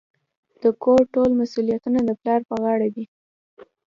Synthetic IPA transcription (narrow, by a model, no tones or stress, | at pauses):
d̪̥əkoɾʈolmasulijat̪unad̪əplɑɾpəɣɑɽad̪i